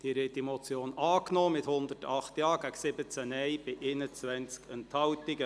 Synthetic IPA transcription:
d̪̥iːɾetːimɔt͡sjoːnɑːknɔːmɪt̪hʊnd̪ətɑχt̪jɑːɡ̥æksɪbət͡sænɛɪb̥ɪʔenət͡sʋɛnt͡skənthɑwtɪɡə

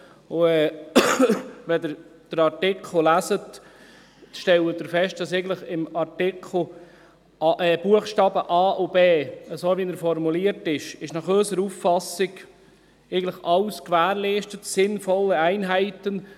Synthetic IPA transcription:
ʊɛː | ʋɛd̪əɾd̪̥əɾɑɾtɪkʰl̩ˠlæsət | ʃtɛlədəɾfɛʃt̚d̥ɑseɪɡndtləχɪmɑɾtɪkʰl̩ˠ | ʔɛb̥uəχʃtɑːbəʔɑːʔʊbeːəsoːʋinəɾfɔɾmuliəɾtɪʃɪʃnɑχøsəɾufːɑsɪɡ | eɡəndləχɑlskʋæːɾliːʃtətsɪnfɔlːəæɪnɦæɪt̪ən

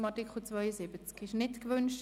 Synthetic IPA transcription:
mɑtɪkχut͡svœʏəsɪbət͡skɪʃnɪtkʋønʃ

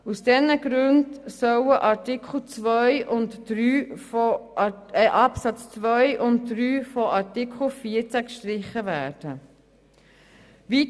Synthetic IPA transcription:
usd̥ɛnəɡɾʉndsœwəʔɑɾtɪkʰl̩ˠt͡sʋœʏʔʊntd̥ɾyː | ʔɑpsɑt͡st͡sʋœʏʔʊntdɾyːfɔʔɑɹtɪkχl̩fiəɾt͡sækʃtɾɪχːəvæːɾd̥ə | ʋi

